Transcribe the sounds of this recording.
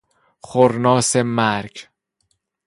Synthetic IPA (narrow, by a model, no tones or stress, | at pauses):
xoɾnɒːsemæɾkʰ